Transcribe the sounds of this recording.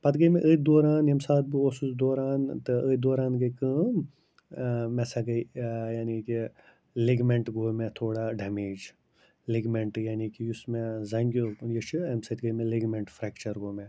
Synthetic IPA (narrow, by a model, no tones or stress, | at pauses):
pɐt̪ɡəjmẽʔəːt̪̚ʲd̪oːɾaːnjemsaːt̪̚bɨoːsusd̪oːɾaːnt̪ɨəːd̪oːɾaːnɡɐikɨ | mɛsaɡɐijaːniki | leɡmeɳʈɡoːmẽt̪ʰoːɽaɖɛːmeːd͡ʒ | leɡmeɳʈjaːnikijusmẽzɐŋɡjojət͡ʃʰɨɐmsɐt̪ɡəjmẽleɡmeɳʈfʰɾɛːkt͡ʃɐɾɡoːmẽ